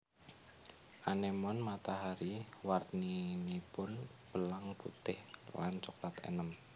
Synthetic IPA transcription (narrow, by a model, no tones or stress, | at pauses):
ʔanemɔnmat̪aɦaɾiwarninipʊnb̥əlaŋpṵt̪ɪhwa̰nt͡ʃɔklat̪ḛnəm